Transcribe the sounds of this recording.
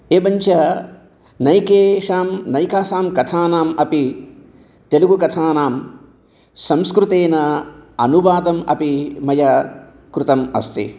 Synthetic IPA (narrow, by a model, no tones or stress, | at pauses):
eːbɐɲt͡ʃɐ | nɐjkeːʂaːmnɐjkaːsaːmkɐt̪ʰaːnaːmɐpi | t̪eluɡukɐt̪ʰaːnaːm | sɐmskɾut̪eːnɐɐ̰nuʋaːd̪ɐmɐ̰pimɐjɐ | kɾut̪ɐmɐ̰st̪ʰḭ